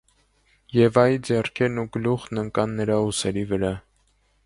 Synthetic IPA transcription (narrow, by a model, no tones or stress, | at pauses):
jɛvɑjid͡zɛrkʰɛɾnuɡəluχnəŋkɑnːəɾɑusɛɾivəɾɑ